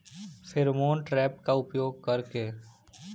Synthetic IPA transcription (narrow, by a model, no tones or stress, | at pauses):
fʰɪɾmoːnʈɾɛːp̚kaʊpjoːɡ̚kəɾkeː